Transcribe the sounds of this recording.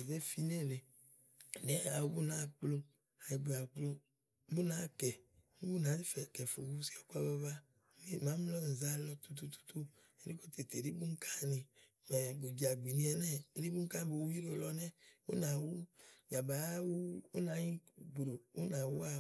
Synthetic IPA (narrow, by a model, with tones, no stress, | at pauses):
ze˦fi˦ne˦le˨ | ne˦a˨wo˦bu˦nã˨˦k͡plo˦ | a˨ji˨be˨a˨k͡plo˦ | bu˦nã˦kɛ˨˦ | u˦bu˦nã˨˦zi˦fɛ˨kɛ˨fo̰˨wu˦si˦a˨ku˦a˦ba˦va˦ | ni˦mã˦m˦lɔ˦n̩˨za˦lɔ˦t̪u˦t̪u˦t̪u̥˦t̪u˦ | e˨ɾe˦ko˦t̪e˨t̪e˨ɾi˦bu˦ŋ̩˦kʰa˦nĩ˨ | mɛ˨ɡo˨d͡ʒi˨a˨ɡ͡bi˨nĩ˦ɛ˨nɛ˦ɾi˦bu˦ŋ̩˦ka˦bo˨wu˦i˦ɾo˨˦lɔ˦nɛ̃˦wo̰˦nã˨wu˦ja˨ba˨˦wu˦o˦nã˨ɲĩ˦bɾo˨wo˦nã˨wu˦a˦